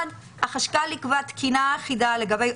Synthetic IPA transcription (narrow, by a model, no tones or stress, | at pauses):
d | haχaʃkalikvat̪kʰinaːχidale̞ɡabej